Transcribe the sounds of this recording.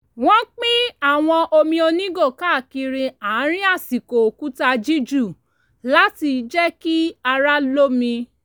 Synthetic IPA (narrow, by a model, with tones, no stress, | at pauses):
w̃ɔ̃˦k͡pĩ˦a˦˨w̃ɔ̃˧ʔo˧mĩ˧o˧nĩ˦ɡo˦˨ka˦˨ki˧ɾĩ˧a˨˦ɾ̃ĩ˦a˦˨si˨ko˨ku˦ta˧d͡ʒi˦d͡ʒu˦˨ | la˦ti˧d͡ʒɛ˦ki˦a˧ɾa˦lo˦mĩ˧